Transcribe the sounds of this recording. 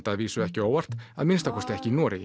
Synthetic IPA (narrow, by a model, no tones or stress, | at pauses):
t̪aðviːsʏɛhcɪoːwar̥t̪a̰ðmɪnst̪akʰɔst̪ɛhcɪnɔːɾɪ